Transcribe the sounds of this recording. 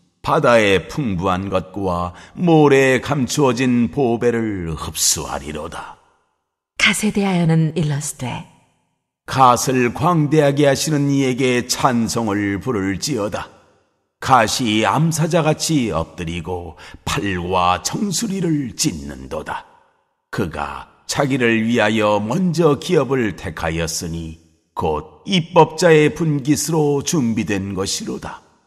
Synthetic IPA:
padae̞pʰuŋbuɦanɡʌt̚kwamoɾe̞kamt͡ɕʰuʌd͡ʑinpobe̞ɾɯɭhɯp̚s͈ṵa̰ɾḭɾo̰da | kasʰe̞de̞ɦajʌnɯnilːʌsʰɯ̥tʰe | kasʰɯɭkwaŋde̞ɦaɡe̞ɦaɕʰinɯnie̞ɡe̞t͡ɕʰansʰoŋɯɭpuɾɯɭt͡ɕiʌda | kaɕʰiamsʰad͡ʑaɣat͡ɕʰiʌ̰p̚t͈ɯɾiɡopʰaɭɡwat͡ɕʌŋsʰuɾiɾɯɭt͡ɕinːɯ̰ndo̰da | kɯɡa̰ | t͡ɕʰaɡiɾɯɭɥiɦajʌmʌnd͡ʑʌkiʌbɯɭtʰe̞kʰa̰jʌs͈ɯɲi | kod̚ip͈ːʌp̚t͡ɕ͈ae̞punɡisʰɯɾot͡ɕumbidwe̞nɡʌɕʰiɾoda

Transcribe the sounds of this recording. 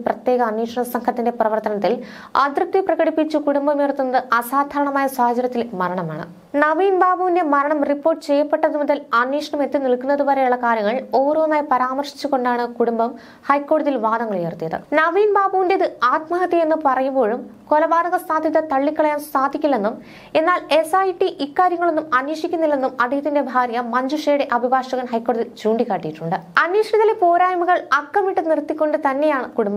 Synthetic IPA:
prɐt̪je̞ːɣɐːnːiːʂɐɳɐsɐŋkʰɐt̪ːinde̞prɐʋɐrt̪ːɐnɐt̪ːil | ɐ̰d̪rɨt̪ːiprɐɣɐɽipːit͡ɕːukuɽumbɐmeːrt̪ːunːɐðɨʔɐsaːd̪ʱaːɾɐɳɐmaːjɐswaːhɐd͡ʑɐɾjɐt̪ːilmɐɾɐɳɐma̰ːɳɨ̰ | nɐʋiːnbaːbuːʋinde̞mɐɾɐɳɐmripːoːrʈːɨt͡ɕe̞jːɐpːe̞ʈːɐðumuðɐlɐnːiːʂɐɳɐme̞t̪ːiniɭkːunːɐðubɐːɾejuɭːɐkaːɾjɐŋːɐɭo̞ːɾuʋɐmaːjipɐɾaːmɐrʂi̥t͡ɕːuko̞ɳɖaːɳɨkuɽumbɐm | hɐjkːo̞ːɽɐðilʋaːd̪ɐŋːɐɭjeːrt̪ijɐðɨ̰nɐʋiːnbaːbuʋinde̞iðɨaːt̪mɐɦɐt̪ːie̞nːupɐrɐjumbo̞ːɻum | ko̞lɐbaːd̪ɐɣɐst̪aːd̪ʱiðɐt̪ɐɭːikːɐɭɐjaːmst̪aːd̪ʱikʲːulːe̞nːum | e̞nːaːle̞sajʈːiʔikːaːɾjɐŋːɐɭonːumɐnjiːʂikʲːunːilːe̞nːumɐd̪ʱijɐt̪ːinde̞bʱaːɾjɐmɐɲd͡ʑuʂeːɽeʔɐbʱibaːʂɐɣɐnhɐjkːo̞ːɽɐðilt͡ɕuːɳɖikːaːʈːijiʈːuɳɖɨɐnjiːʂɳɐt̪ːɐlepo̞ːɾaːjmuɣɐɭɐkːɐmiʈːɨnirt̪ːikʲːo̞ɳɖɨt̪ɐnːe̞jaːɳɨkuɽumbɐ

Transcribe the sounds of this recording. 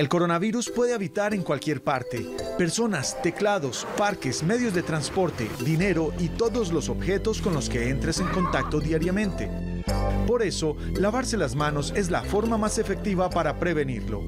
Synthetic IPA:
e̞lko̞ɾo̞naβiɾuspweðe̞aβit̪aɾe̞ŋkwalkje̞ɾpaɾt̪e̞pe̞ɾso̞nast̪e̞klaðo̞spaɾkesme̞ðjo̞zðe̞t̪ɾanspo̞ɾt̪e̞̰ðine̞ɾo̞ʔit̪o̞ðo̞zlo̞so̞bxe̞t̪o̞sko̞nlo̞ske̞e̞nt̪ɾese̞ŋko̞nt̪ak̚t̪o̞ðjaɾjamẽ̞nt̪e̞̰ | po̞ɾe̞so̞ | laβaɾse̞lazmano̞se̞zlafo̞ɾmamase̞fe̞k̚t̪iβapaɾapɾe̞βe̞niɾlo̞̰

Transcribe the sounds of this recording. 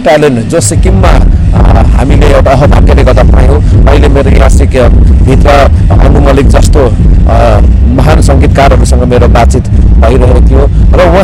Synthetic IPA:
ʈaleɳʈd͡zosikimːa̰ | ɦa̰mileewʈaʌɦʌbʱa̰kːeleɡʌt̪apa̰jõʌ̰ɦilemeɾojãsikbʱit̪rʌ | ʌ̰numʌlik̚d͡zʌst̪o | mʌɦansʌŋɡit̪̚karɦʌɾusʌŋɡʌmeɾobat̪̚t͡sit̪ | paiɾʌɦekot̪ʰijo | rʌwʌ̃

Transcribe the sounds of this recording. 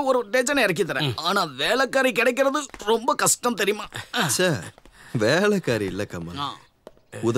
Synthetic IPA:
ɔɾɯʈeːnd͡ʒɐnɛɾɐk̬ːɪt̪ɐɾɛ̰̃ːaːnaːʋeːɭɐkːaːɾik̬ɪɽɛɪk̬ːɪɾɐðɯɾɔmbɐkɐʂʈɐmt̪ɛɾɪjʊmaːsaːɾʋeːɭɐkːaːɾiɪlːɐkːɐmɐ̰aː | ʊð

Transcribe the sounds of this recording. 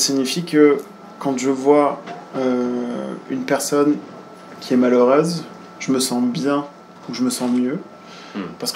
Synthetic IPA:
siɲifikə | kɑ̃ʒəvwaø | ynpɛʁsɔn | kʲʰiɛmaləʁɛz | ʒ̥əməsɑ̃bjɛ̃ | uʒəməsɑ̃mjø | paʁsə̥k

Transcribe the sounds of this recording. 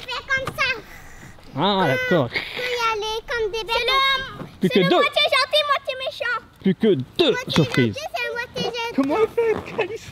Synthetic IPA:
fɛkɔ̃msã | ad̪akɔːʁjalekɔ̃md̪ebɛlɔmplykəd̪øwat̪jeʒɑ̃t̪imwat̪jemeʃɑ̃ | plykʲəd̪̥øsyʁpχḭzmwat̪eʒkɔmɑ̃fɛkʰalis

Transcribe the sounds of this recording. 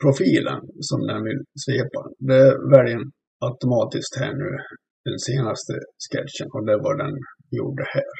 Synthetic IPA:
pʰɾʊfiːlə̰nsɔmd̪ɛnvɪlseːpad̪ɛvæɾjən | aʊt̪ʊmɑːt̪ɪskt̪hæːɳʉ̟̰ː | d̪̥ɛnseːnast̪ʰəskɛtʂənɔd̪ɛvaɖɛn | jṵːɖəhæːɾ

